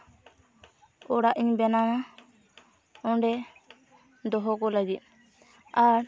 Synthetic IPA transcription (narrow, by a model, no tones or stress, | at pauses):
ɔɽaʔiɲbɛnana | ɔ̃ɳɖɛ | d̪ɔɦɔkɔlad͡ʒiʔ | aɾ